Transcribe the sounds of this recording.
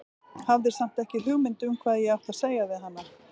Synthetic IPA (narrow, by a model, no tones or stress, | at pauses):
havðɪ̥sam̥t̪ɛhcɪlʏɣmɪnt̪ʏmkʰvaːðjɛɣawk̪ʰaɾ̥seːjaðɪɦanːa